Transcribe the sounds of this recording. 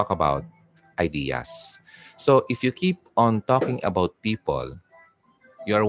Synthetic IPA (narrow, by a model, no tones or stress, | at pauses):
ɔkɐba̰wt̪̚ | ʔajd̪ia̰sː | oʔɪfjukʰip̚ɔ̃nt̪ɔkɪ̃ŋɐ̰bawt̪̚pipɔ̰l | jua